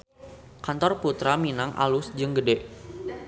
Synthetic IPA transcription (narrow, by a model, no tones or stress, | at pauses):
kant̪ɔrput̪ɾaminaŋʔa̰lʊsd͡ʒɨŋɡədɛʔ